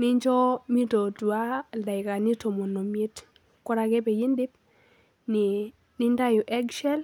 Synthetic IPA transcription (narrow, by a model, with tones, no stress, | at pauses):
nɪ˦ɲd͡ʒɔ˦mi˦to˨tu˨a˦la˨ɪ˨ka˨nɪ˦to˨mo˨no˨mi˦t | kɔ˦ɾa˨ɡe˦be˨ji˦ndɪ˦p̚ | n˨ | nɪ˦nda˦jo˨ʔɛ˦ɡʃɛ˦l